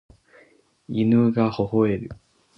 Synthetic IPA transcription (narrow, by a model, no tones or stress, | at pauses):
inɯɡahohoeɾɯ̟